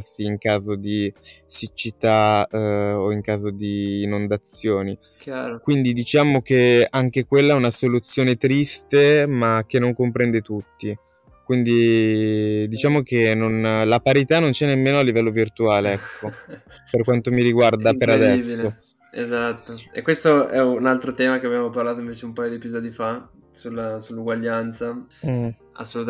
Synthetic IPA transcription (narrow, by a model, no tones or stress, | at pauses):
siːŋkaːzod̪isit͡ʃːit̪a | oiŋkaːzod̪iːnond̪at̪sːjoːni | kjaɾkwind̪id̪it͡ʃaːmok̟eaŋk̟ekwelːaɛunasolut̪sːjoːnet̪ɾist̪emak̟ːenːoŋkompɾɛnd̪et̪ut̪ːi | kwind̪i | d̪it͡ʃaːmok̟enːonlapaɾit̪anːont͡ʃɛnːemːeːnoalːivɛlːovirt̪uaːleɛkʰːo | perkwant̪omiɾiɡward̪apeɾad̪ɛsːo | ḛzat̪ːoḛkwest̪oɛunalt̪ɾot̪ɛːmakeabjamoparlaːt̪oĩɱveːt͡ʃeumpaːjod̪iepizɔːd̪ifa | sulːasulːuɡwaʎːant̪sa | a̰sːolut̪